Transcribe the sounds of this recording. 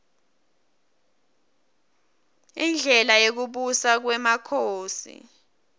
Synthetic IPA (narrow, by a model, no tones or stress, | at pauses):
ind͡ɮʱɛlajok̬uɓusak̬wɛmakʰoːsḭ